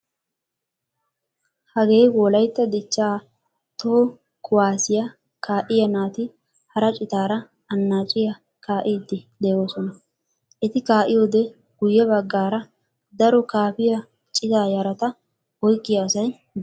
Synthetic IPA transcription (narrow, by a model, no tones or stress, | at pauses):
hɐɡe̞ːjwɔlɐjt̪ːɐd̪ɪt͡ʃːaː | t̪o | kʰʊwaːsɪjɐ | kaːʔɪjɐnaːt̪ɪ | hɐɾɐt͡ʃʼɪt̪aːɾɐ | ɐnːaːt͡ʃʼɪjɐ | kaːʔɪd̪ːɪd̪ɛjo̞ːsɔnɐ | ʔɛt̪ɪkaːʔɪjoːd̪ɛ | ɡ̥ʊjːɛbɐɡːaːɾɐ | d̪ɐɾɔkaːpɪjɐ | t͡ʃʼɪzaːjɐɾɐt̪ɐ | wɔjkʼːɪjaːsɐj | d̪